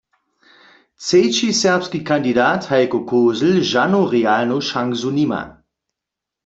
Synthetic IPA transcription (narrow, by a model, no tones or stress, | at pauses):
t͡seːt͡ʃisɛɐpskikʰandidaːthajkokʰoːzl̩ʒanoʁealnoʃaŋzunima̰